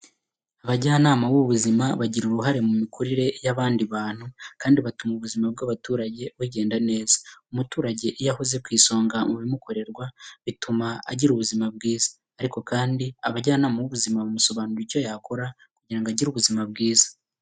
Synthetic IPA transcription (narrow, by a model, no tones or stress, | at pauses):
aβaɟaanaːmawuβuzimaβaɟiɾuɾuɦaɾe̞mumikʰuɾiɾe̞jaβaːndiβaːn̥hukaːndiβatumuβuzimab̚ɡaβatuːɾaɟe̞wuɟe̞ːndane̞ːz̥ḁumutuːɾaɟe̞ʔijahuze̞kwiːso̞ːŋɡamuβimuko̞ɾe̞ɾɡwaβitumaa̰ɟiɾuβuzimab̚ɡiːzḁːɾiko̞kaːndiaβaɟaanaːmawuβuzimaβumuso̞βaːnuɾiɾco̞jakoɾa | kuɟiɾaŋɡaɟiɾuβuzimab̚ɡiːzḁ